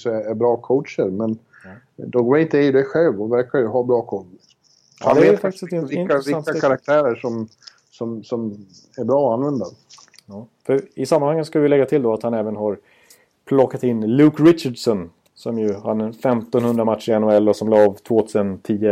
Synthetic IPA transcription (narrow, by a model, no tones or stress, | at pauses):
sɔɛæɾbɾɑːkʰowtʂəɾmɛn | d̪ɔɡwɛɪnt̪əɪd̪ɛɧɛlvɔvæɾkaɾjɵɦabɾɑːkʰɔ | hanɛːt̪fak̚t̪ɪ̥sɛvɪavɪaakʰaɾak̚t̪ʰæːɾəʂɔm | sɔmsɔm | æɾbɾɑːɔanvɛnd̪a | ɑːfœɾɪsamːanhaŋːənskavɪjlɛɡːat̪ʰɪld̪ɔat̪hanɛːvənɦaɾ | pʰlɔkːat̪ɪnːlʉːkɾɪt͡ʃaɖsɔn | sɔmjɵhad̪fɛmt̪ɔnhɵnd̪ɾamat̪ʂəɾɪɛnʊɛlːɔsɔmlɑːvt̪ʰvoːt̪ʰʉːsənt̪ʰiːə